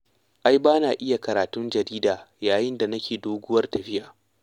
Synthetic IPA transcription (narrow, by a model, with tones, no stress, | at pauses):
ʔa˦jbaː˦naː˨ʔɪ˦ja˨kɐ˨ɾaː˨tʊ˦nd͡ʒɐ˨ɾiː˦daː˨jaː˨jɪ˦nda˨nɐ˦kʲʰeː˨doː˦ɡʷʊ˦wɐ˦rtɐ˨ɸɪ˦ʔaː˨